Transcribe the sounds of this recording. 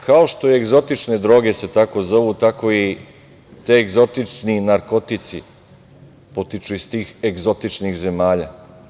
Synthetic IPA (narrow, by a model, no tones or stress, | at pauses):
kaoʃt̪o̞ieɡzo̞t̪it͡ʃne̞d̪ɾo̞ːɡe̞se̞t̪ako̞zo̞ʋut̪ako̞i | t̪eeɡzo̞t̪it͡ʃninaɾko̞t̪it̪sḭ | po̞t̪it͡ʃuist̪iːxeɡzo̞t̪it͡ʃnixze̞maːʎa